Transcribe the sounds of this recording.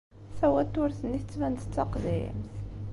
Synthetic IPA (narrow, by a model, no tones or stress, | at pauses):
θæwæt̪ːʊɾθənːiθət͡sːvænt̪ət͡sːɑqðḭmθ